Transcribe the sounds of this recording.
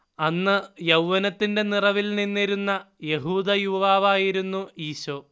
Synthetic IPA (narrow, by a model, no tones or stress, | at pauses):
ɐnːɨjɐwʋɐnɐt̪ːinde̞nirɐʋilninːiɾunːɐ | je̞ɦuːd̪ɐjuʋaːʋaːjiɾunːuiːɕoː